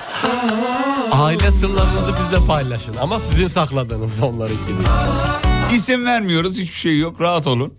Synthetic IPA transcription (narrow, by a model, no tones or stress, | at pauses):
aːilʲɛsɯɾlˠaɾɯnɯzasizlʲɛpʰajlˠaʃɯnamasizinsaxlˠad̪ɯːnɯzo̞nlˠaɾɯt͡ʃʰini | ɟisimvæɾmijo̞ɾuzhit͡ʃbiʃejjo̞kɾaɦat̪o̞lˠun